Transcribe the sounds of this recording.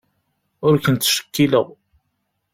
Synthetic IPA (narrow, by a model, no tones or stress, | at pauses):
ʊɾkənt̪ːʃə̥kːilə̰ʁ